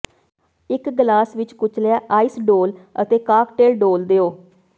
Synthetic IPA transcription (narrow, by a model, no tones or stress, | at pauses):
ɪkɡlaːsʋɪt͡ʃkʊt͡ʃleaːʔaːisɖoːlə̰t̪eːkaːkʈeːlɖoːld̪eːoː